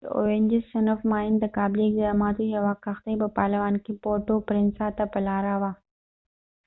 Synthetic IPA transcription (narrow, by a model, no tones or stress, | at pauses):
o̰ːɾẽɲd͡ʒɪsːɐnəfmaːɪnt̪ɐkaːbliɡd̪aːmaːt̪uɦɐʋaːkʰːɐxt̪ebɐpaːɾlɪʋaːnkʰepoːʈopɾɪnsaːt̪apɐlaːɾaʋaː